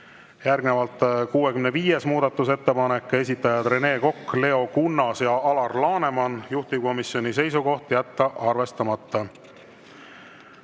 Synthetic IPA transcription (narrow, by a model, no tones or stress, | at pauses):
jærɡne̞vɑlt̪ˑkuːe̞kymneviːje̞smuːd̪̥ɑt̪ˑːuse̞t̪ːe̞pɑne̞kːˑe̞s̬ʲit̪ːˑɑjɑt̪re̞ne̞ːko̞kːle̞o̞kunːɑsjɑɑlɑrlɑːne̞mɑnjuht̪ib̥̚ko̞misjo̞nis̬e̞jsuko̞ht̪jæt̪ːɑʔɑrve̞st̪ɑmɑt̪ːɑ